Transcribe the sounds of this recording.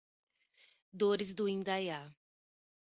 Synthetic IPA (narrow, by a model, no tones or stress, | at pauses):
d̪oɾɪzd̪ʊĩnd̪aja